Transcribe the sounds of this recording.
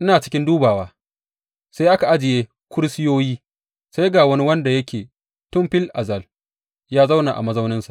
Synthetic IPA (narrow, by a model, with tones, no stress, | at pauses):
ʔɪ˦naː˨t͡ʃɪ̥˦kʲɪ˦nduː˦baː˨waː˦ | sa˦jʔa˦ka˨ʔa˦d͡ʒɪ˨jeː˦ | kʷʊ˦ɽsɪ˦joː˦jiː˦ | sa˦jɡaː˨wɐ˦ni˦wɐ˦nda˨jɐ˦kʲʰeː˨ | tʊ˦mɸɪ˦lʔa̰˨zɐ˦˨l | jaː˦za˦wna˨ʔa̰˨mɐ˦zɐ˦wnɪ˦nsa˨ʔ